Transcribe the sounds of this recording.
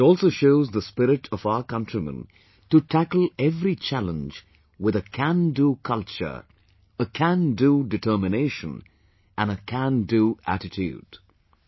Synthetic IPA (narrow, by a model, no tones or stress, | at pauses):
ɪtɔlˠsoʊʃoʊzðəspɪɾɪʈʰʌvaʊəkʌ̃ntɹimə̰̃n | tutʰækəl̩ˠɛvɾit͡ʃʰælə̃nd͡ʒ | wɪðəkʰæ̃ndukʰʌlt͡ʃə̰˞ | əkʰæ̃ndudɨtʰɜ˞mɨneɪʃə̰̃n | ʔɨ̃nəkʰæ̃nduæ̰ɾɨtʰjṵd̥